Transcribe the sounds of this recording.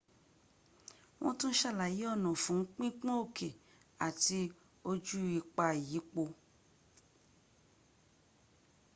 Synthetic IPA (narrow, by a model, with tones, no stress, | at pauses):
wʔɔ̰̃˦tũ˦n̩˦ʃa˦˨la˨ji˨˦ɔ˦˨nɔ̃˨fũ˨˦ŋ̩˦k͡pĩ˦k͡pɔ̃˦o˦˨kʰe˨ | a˨ti˧ | o˧d͡ʒu˦i˧k͡pa˧˨ji˨˦k͡po˧